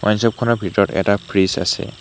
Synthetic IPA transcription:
ʔajnsɔp̚kʰɔnɔɹbʱitɔɹɔtɛ̰tapʰɹisa̰sɛ̰

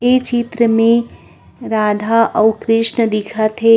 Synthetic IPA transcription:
et͡ʃit̪ɾəmẽ | ɾaːd̪ʱaʔɐʊkɾɪʃnəd̪ɪkʰat̪ʰɦe

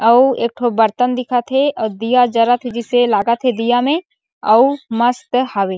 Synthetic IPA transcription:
ɐueːk̚ʈʰobɐɾt̪ənd̪ɪkʰat̪ʰeəd̪ijad͡ʒɐɾat̪ʰed͡ʒɪselaːɡat̪ʰed̪ijamẽ | ɐumɐst̪haʋeː

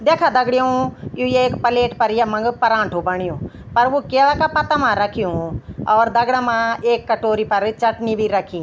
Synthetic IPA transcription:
d̪eːkʰaːd̪əɡɽɪjõːjũːjaeːkpəleːʈpəɾjaːmə̃ŋɡpəɾãːɳʈʰoːbəɳɪjõː | pəɾʋoːkeːɽaːkaːpət̪aːmãːɾəkʰɪjũːɔːɾd̪əɡɽaːmãːeːkːəʈoːɾiːpəɾt͡ʃəʈniːbʱiːɾəkʰiː

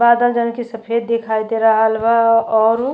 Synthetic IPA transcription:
baːd̪əld͡ʒənkisəpʰeːd̪̚ːekʰaːjd̪eɾaɦəlbaɔːɾ

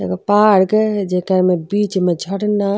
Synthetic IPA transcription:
eɡəpaɾɡd͡ʒekəɾmebit͡ʃmed͡ʒʱəɽna

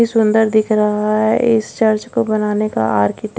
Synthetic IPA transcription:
isʊ̃nd̪əɾd̪ɪkʰɾɐɦaɦɛʔɪst͡ʃɐɾt͡ʃkobɐnaːneka̰aːɾkɪʈ

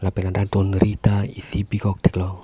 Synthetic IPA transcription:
lapɛnant̪at̪ɔnɾit̪aisibikɔk̚d̪̥e̥klɔ

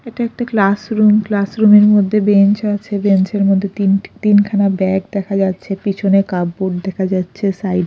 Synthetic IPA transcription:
eʈaɛk̚ʈaklasɾumklasɾumeɾmod̪ʱːebent͡ɕat͡ɕʰebent͡ɕeɾmod̪ʱːet̪int̪inkʰanabɛkd̪ɛkʰad͡ʑatːɕʰepit͡ɕʰonekabːoɖ̚d̪ɛkʰad͡ʑatːɕʰesajɖ

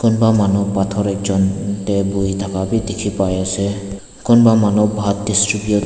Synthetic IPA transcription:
kunbamanɔpatʰɔɾɛkzɔntɛbujt̪ʰakabidekʰipajasɛ | kʊnbamanɔbʱat̚distɹipijɔ

